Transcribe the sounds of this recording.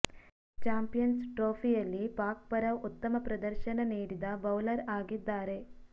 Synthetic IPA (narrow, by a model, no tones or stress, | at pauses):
t͡ʃaːmpijɐnsʈɾoːpʰijɐlːipaːk̚pɐɾɐut̪ːɐmɐpɾɐd̪ɐɾʃɐnɐniːɽid̪ɐbɐwlɐɾaːɡid̪ːaːɾe̞